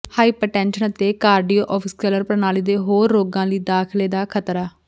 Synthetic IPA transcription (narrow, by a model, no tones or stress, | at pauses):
haːiːpəɾʈɛ̃ːnʃənət̪eːkaːɾɖijoːʔɔːpʰɪskələɾpəɾnaːliːd̪eːɦoːɾːoːɡãːliːd̪aːkʰleːd̪aːkʰət̪ɾaː